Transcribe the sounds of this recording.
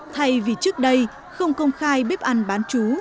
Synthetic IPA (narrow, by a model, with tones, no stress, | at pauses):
t̪ʰa˧jvi˨˩t͡ɕɨ˦˥ək̚ɗə˧j | xə˧wŋ͡mkə˧wŋ͡mxaː˧jɓe˦˥p̚ʔa˧nɓaː˨˦nt͡ɕu˨˦